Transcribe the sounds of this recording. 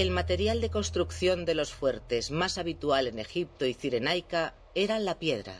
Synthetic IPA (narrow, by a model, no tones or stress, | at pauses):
e̞lmat̪e̞ɾjald̪e̞ko̞nst̪ɾukθjo̞nd̪e̞lo̞sfwe̞ɾt̪e̞zmasaβ̞it̪uale̞ne̞xip̚t̪o̞iθiɾe̞najka | e̞ɾanlapje̞ð̞ɾa̰